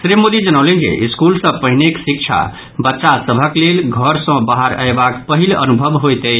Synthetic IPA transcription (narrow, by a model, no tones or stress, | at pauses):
sɾimod̪id͡ʒənəwlẽnd͡ʒḛʔiskulsə̃pəɦineksik̚t͡ʃʰa̰ | bətːʃasəbʱəklelɡʱəɾsə̃baɦəɾə̰jbakpəɦilə̰nubʱəbɦojt̪əj